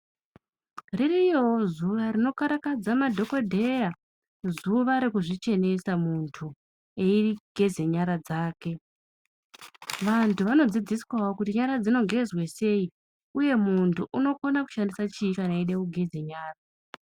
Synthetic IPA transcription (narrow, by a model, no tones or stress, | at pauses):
ririjowozuʋaɾino̞kaɾakad͡zamadʱo̞ko̞dʱe̞ja | zuʋaɾikuʐit͡ʃe̞ne̞samuntʰu | eiriɡ̥ʱe̞ze̞ɲaɾad͡zaːke̞ | ʋantʰuʋano̞d͡zid͡ziswaokutiɲaɾad͡zino̞ŋɡʱe̞zwese̞i | uje̞muntuʔuno̞konaku̥ʃandisat͡ʃikanaiɗeuɡʱe̞d͡ze̞ɲaːra